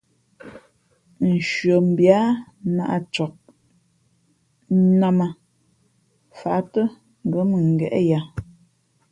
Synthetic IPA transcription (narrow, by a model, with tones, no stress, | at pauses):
n̩˨ʃɥo˨m̩˨bja˦na˦ʔa̰˨t͡ʃɔ˨k̚ | na˦ma˨ | fa˨˦tə˦ | ŋ̩˨ɡə˨˦mə˨ŋ̩˨ɡɛ̰˨ʔɛ̰˦ja˨